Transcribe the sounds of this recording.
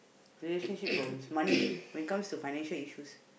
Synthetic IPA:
ɹileʃə̃nʃippːɹɔɡãmsmãniwɛ̃nkãmstufaɪñɛ̃nʃəliʃus

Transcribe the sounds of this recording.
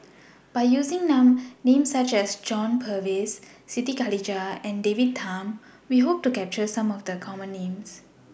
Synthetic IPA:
b̥aɪjuːzĩŋnãmnẽmsat͡ʃɛsd͡ʒɔ̃npʰəvesːitikalid͡ʒaɛ̃ndevid̚t̪ʰãm | wiɦop̚tukɛp̚t͡ʃəsãmɔfd̪əkʰɔmə̃nːẽms

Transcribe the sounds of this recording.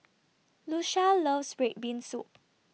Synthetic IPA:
luʃaləvsbɹet̚bĩnsup̚

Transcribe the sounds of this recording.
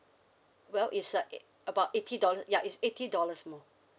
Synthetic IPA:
wɛlʔisə | əbaʊtetʰidɔləsjaʔisetʰidɔləsmɔ

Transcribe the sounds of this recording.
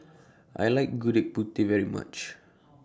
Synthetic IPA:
ʔa̰jlaɪk̚ɡuɾɛk̚but̪ivɛɹima̰t͡ʃ

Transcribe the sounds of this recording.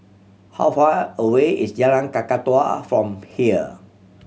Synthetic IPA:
ha̰wfaəweisd͡ʒalãnkakatwa̰fɹɔ̃mhiə

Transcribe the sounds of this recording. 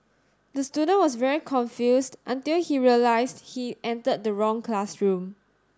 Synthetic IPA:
dəstudə̃nwɔsvɛɹikʰɔ̃nfjusdʔə̃ntilhiɹiəlaɪsdhiʔɛ̃ntəd̚dəɹɔ̃ŋklasɹũm

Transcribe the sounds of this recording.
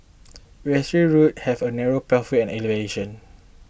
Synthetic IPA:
wɛsɹiɹut̚hɛvənɛɹopɛlfiɛ̃nɛleveʃə̃n

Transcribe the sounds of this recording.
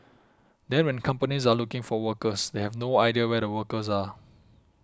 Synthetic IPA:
dɛ̃nwɛ̃nkʰãmpənis̬alukɪ̃ŋfɔwəkəsdehɛvnoajdiəwɛdəwəkəs̬a

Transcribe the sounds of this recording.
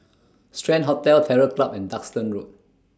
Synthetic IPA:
stɹɛ̃nɦɔtɛltʰɛɹəklapɛ̃ndakstə̃nɹut̚

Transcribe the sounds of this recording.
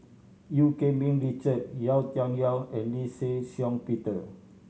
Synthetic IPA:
jukemĩŋɹit͡ʃət̚jawt̪jɔnialɛ̃nlisesjɔ̃ŋpit̪ə

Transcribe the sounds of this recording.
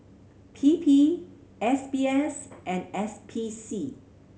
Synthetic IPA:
pʰipʰi | ɛsbiɛsʔɛ̃nɛspʰisi

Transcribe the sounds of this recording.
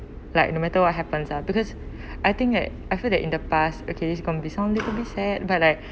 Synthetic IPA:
laɪk̚nomɛtəwɔt̚ɦɛpə̃nsabikɔs | ʔajt̪ĩŋk̚dɛt | ajfildɛtʔĩndəpastokʰedis̬ɡɔ̃nbisãʊ̃nlitubisɛd̚bat̚laɪk̚

